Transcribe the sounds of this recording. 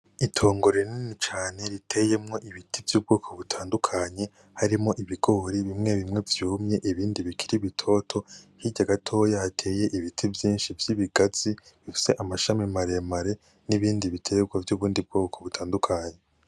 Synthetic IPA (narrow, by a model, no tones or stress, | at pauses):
itʰo̞ːŋɡo̞ɾeninit͡ʃaːne̞ɾitʰe̞je̞mŋo̞ʔiβitivjuːb̚ɡo̞ːkʰoβutʰaːndukʰaɲe̞ | haɾimŋo̞ʔiβiɡ̥o̞ɾiβimŋe̞βimŋe̞vjuːmɲe̞ʔiβiːndiβikʰiɾiβitʰo̞ːtʰo̞hiɟaɡatʰo̞ːjahatʰe̞ːje̞ʔiβitʰivjiːnʃivjiβiɡ̥az̥i | βifi̥se̞ʔamaʃamimaɾe̞maɾe | niβiːndiβitʰeɡwavjuːβuːndib̚ɡoːkʰoβutʰaːndukʰaɲe